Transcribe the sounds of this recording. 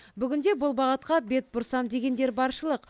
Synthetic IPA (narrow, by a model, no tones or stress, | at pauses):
bʏɡʲɪnd̪e̞bʊlˠbɑʁət̪̚qɑbe̞t̪̚bʊɾsɑmd̪e̞ɡʲe̞nd̪e̞ɾbɑɾʃəlˠəq